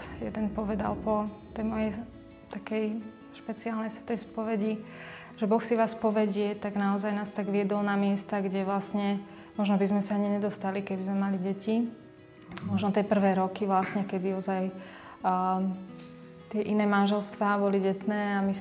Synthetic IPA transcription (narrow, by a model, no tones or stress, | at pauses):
jɛ̰d̪ɛnpɔʋɛd̪a̰lpɔt̪ɛjmɔjɛj | t̪akɛj | ʃpɛt͡siaːlnɛjsɛt̪ɛspɔʋɛɟi | ʒ̥ɛbɔxsiʋaːspɔʋɛɟɪɛt̪aɡnaɔzajnaːst̪aɡʋiɛd̪ɔlnamɪɛst̪aɡɟɛʋlasɲɛ | mɔʒnɔbizmɛsaaɲiɲɛd̪ɔst̪alikɛbizmɛmaliɟɛci | mɔʒnɔt̪ɛpr̩ʋɛːɾɔkiʋlasɲɛkɛd̪iɔzaj | t̪ɪɛʔinɛːmanʒɛlst̪ʋaːbɔliɟɛt̪nɛːami